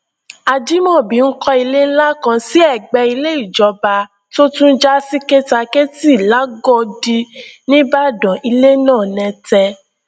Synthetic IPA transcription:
a˧d͡ʒi˦mɔ̃˦˨bi˨˦n̩˦kɔ˧i˧le˦n̩˦la˦kã˧si˦ɛ˦˨ɡ͡bɛ˧i˧le˦i˦˨d͡ʒɔ˧ba˧ | to˦tũ˦n̩˦d͡ʒa˦si˦ke˦ta˧ke˦ti˦˨la˨˦ɡɔ˦˨di˧nĩ˦ba˦˨dɔ̃˨i˧le˦nãː˦˨nɛ̃˧tɛ˧

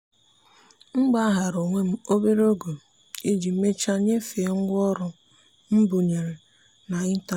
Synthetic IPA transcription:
ŋ͡m̩˦ɡ͡ba˦a˦ɦa˨ɾo˨ŋʷe˦m̩˦o˦be˦ɾo˦ɡo˨ | i˦d͡ʒi˨˦me˦t͡ʃa˦ɲe˦fe˨˦ŋ̩˦ɡʷɔ˦ɾʊ˨ | m̩˦bu˨ɲe˨ɾe˨ | na˨ɪ˦ta˦

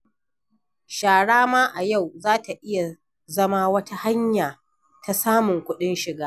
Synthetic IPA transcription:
ʃaː˨ɽaː˦maː˦ʔa˨ja˦˨wzaː˦ta˨ʔɪ˦ja˨ | zɐ˦ma˦wɐ˦tʰa˦ha˦ɲjaː˨ | ta˨saː˦mʊ˨ŋkʷʊ˦ɗɪ˦nʃɪ˨ɡaː˦

